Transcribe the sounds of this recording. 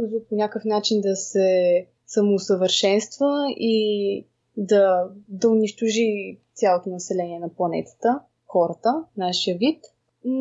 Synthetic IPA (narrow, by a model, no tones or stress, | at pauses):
zuponʲakəfnat͡ʃind̪ɐsɛ | səmosəvəɾʃɛnst̪vəi | d̪ɐd̪ɐʊniʃt̪ʊʒit̪sʲjalˠot̪onɐsɛlɛniɛnɐplˠɐnɛ̰t̪ə̥t̪ə | xɔɾət̪ənaʃiəvit̪